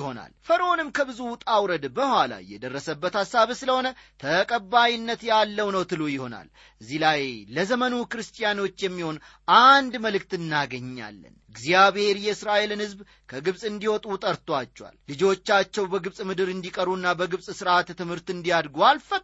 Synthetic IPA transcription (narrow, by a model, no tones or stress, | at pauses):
ho̞na̰lfəɾʔo̞nɨmkʰəbɨzut̪ʼawɾəd̪bəhʷala̰jɛd̪ərːəsəbːət̪hasːaβsɨləho̞nət̪ʰəkʼəbːajinːət̪jalːəwnəwt̪ʰɨlujɪho̞na̰l | ʔɨzːilajləzəmənukɨɾɨst̪ʼijano̞t͡ʃːjɛmːiho̞n | ʔand̪məlɨk̚t̪ɨnːaɡəɲːa̰lːə̰nɨɡzijaβhe̞ɾjɛɨsɾaʔelɨnhɨzb | kʰəɡɨβsʼɨnd̪iwɔt̪ʼut̪ʼəɾt̪ʼwat͡ʃːɛwa̰lːɨd͡ʒo̞t͡ʃːat͡ʃːɛwbəɡɨβsʼmɨd̪ɨɾɨnd̪ikʼəɾunːabəɡɨβsʼsɨɾʔat̪t̪ːɨmhɨɾt̪ɨnd̪ijad̪ɡoalfə